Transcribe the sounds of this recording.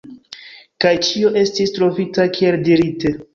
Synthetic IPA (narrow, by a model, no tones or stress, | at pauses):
kajt͡ʃio̞ʔe̞stistɾo̞vitakie̞ldiɾite